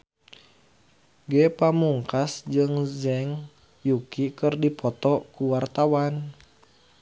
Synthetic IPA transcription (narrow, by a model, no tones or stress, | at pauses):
ɡɛpamuŋkasd͡ʒɨŋzɛŋ | jukikɨrdipɔt̪ɔkuwart̪awan